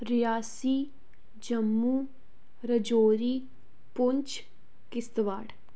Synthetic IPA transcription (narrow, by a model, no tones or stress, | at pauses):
ɾɪjaːsiː | d͡ʒəmːuː | ɾəd͡ʒoːɾiː | pʊɲt͡ʃ | kɪst̪ʋaːɽ